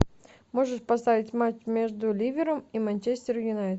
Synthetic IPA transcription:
mo̞ʐɨʂpɐst̪avʲɪtʲmat͡ɕmʲe̞ʐd̪ʊlʲivʲɪɾəmimanʲt͡ɕesʲt̪ʲɪɾʊjʊnajt̪

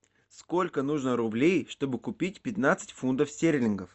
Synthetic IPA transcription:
skolʲkənuʐnəɾʊblʲejʂt̪o̞bɨkʊpʲit̚ʲpʲɪt̪nat̪sɨ̥tʲfunt̪əfsʲtʲeɾʲlʲɪnɡəf

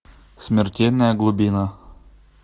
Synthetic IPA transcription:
sʲmʲɪrʲtʲelʲnəjaɡlˠubʲina

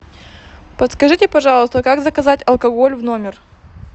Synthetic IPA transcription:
pət̪skɐʐɨtʲɪpɐʐɑlˠəst̪əkaɡzəkɐzatʲɐlˠkɐɡo̞lʲvno̞mʲɪr

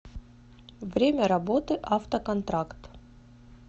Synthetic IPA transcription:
vɾʲemʲəɾɐbot̪ɨʔaft̪əkɐnt̪ɾakt̪

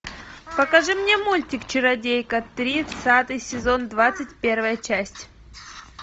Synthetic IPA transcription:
pəkɐʐɨmnʲemulʲtʲɪkt͡ɕɪɾɐdʲejkət̪ːɾʲisat̪ɨjsʲɪzo̞nd̪vat̪sɨtʲpʲe̞rvəjət͡ɕæsʲtʲ

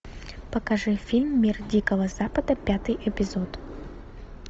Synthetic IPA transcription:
pəkɐʐɨfʲilʲmːʲirdʲikəvəz̥apəd̪əpʲat̪ɨjʔɛpʲɪzot̪

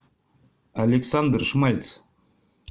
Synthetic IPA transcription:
alʲeksɑnd̪rʂmɑlʲt͡s

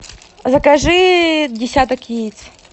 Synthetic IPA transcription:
zɐkɐʐɨdʲɪsʲat̪əkjet͡sʲ

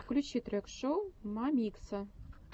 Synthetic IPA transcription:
klʲut͡ɕit̪rʲɘ̆kʂowmɑmʲiksɤ̆

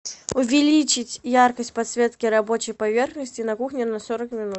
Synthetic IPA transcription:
ʊvʲɪlʲit͡ɕɪtʲjarkəsʲt̚ʲpɐt̪svʲe̞t̪kʲɪɾɐbo̞t͡ɕɪjpɐvʲe̞rxnəsʲtʲɪnɐkuxnʲɪnɐsoɾəkmʲɪnut̪

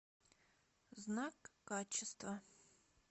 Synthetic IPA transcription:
znakːat͡ʃʰɪst̪vɐ

